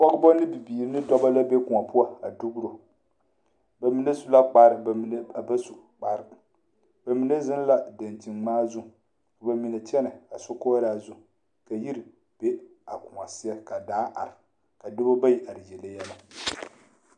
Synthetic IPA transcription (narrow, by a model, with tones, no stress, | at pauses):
pɔ˦ɡbɔ˦nɨ˦bi˨biː˨ɾnɨ˦dɔ˦ba˦la˦be˦ku˨ŋa˨pu˦a˨a˨du˦ɡɾo˨ | ba˨mi˨na˦su˨la˦k͡pa˦ɾɨ˨bba˦su˨ | k͡pa˦ɾ | ba˨mi˨ne˦zɪ˦n˦la˦da˨nti˨ŋmaː˦zu˦˨ | kba˨mi˨na˨t͡ʃɛ˦nɨ˨a˨so˦koː˦ɾa˦˨zʊ˦˨ | ka˨ji˦ɾi˨ | b̥e˦a˨ku˨ŋa˨si˦a˦ka˨daː˦ʔa̰˨ɾɪ˨ | ka˨dɨ˦bo˦ba˦ji˨ʔa˨ɾɨ˨jɛ˨la˦jɛ˦la˨